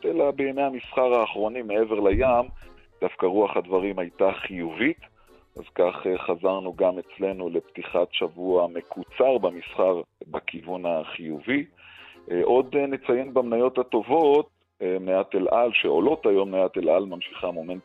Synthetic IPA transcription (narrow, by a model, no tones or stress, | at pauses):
elabejamejamisχaʁaːχʁo̞nimeeveʁlajam | d̥afkaʁuaχadvaʁimajtaχijuvit̪ | ʔa̰zkaχeχazaʁnuɡame̞t͡sle̞nule̞pt̪iχatʃavuame̞kʰut͡saʁbamisχaʁbakʰivunaχijuvi | ʔo̞d̪net͡sajenbamnajo̞that̪o̞vo̞t̪̚ | mnejatelʔalʃeo̞lo̞tajo̞mnajat̪elalmamʃiχamoment